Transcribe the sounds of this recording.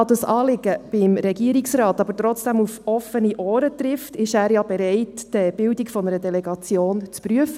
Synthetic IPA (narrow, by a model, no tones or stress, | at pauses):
ɑd̪ɑsɑːlɪɡ̥əb̥ɪmɾɛɡiəɾiksrɑːtɑbəɾtɾɔt͡sd̥ɛmufɔfəniʔɔːɾət̪rɪftɪʃæːɾjɑbɛɾɛɪtːɛb̥ɪldikfɔnəɾədɛlɛɡɑt͡sjoːnt͡spɾyəfə